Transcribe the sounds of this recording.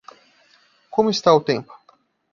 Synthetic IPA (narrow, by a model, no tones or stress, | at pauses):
kõmʊɪst̪aʊt̪ẽmpʊ̥